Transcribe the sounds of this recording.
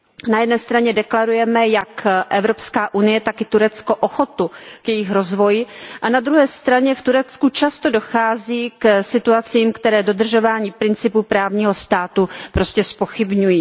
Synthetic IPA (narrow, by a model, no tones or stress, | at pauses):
najɛdnɛːst̪ɾaɲɛdɛklaɾujɛmɛjakʔɛvɾo̞pskaːʔunɪjɛt̪akɪt̪uɾɛt͡sko̞ʔoxo̞t̪ukjɛjɪxɾozvo̞jɪʔanad̪ɾuɦɛːst̪ɾaɲɛft̪uɾɛt͡skut͡ʃast̪o̞do̞xaːziːksɪt̪uat͡siːmkt̪ɛɾɛːdo̞d̪r̩ʒo̞vaːɲiːpɾɪnt͡sɪpupɾaːvɲiːɦo̞st̪aːt̪upɾo̞scɛspo̞xɪbɲujiː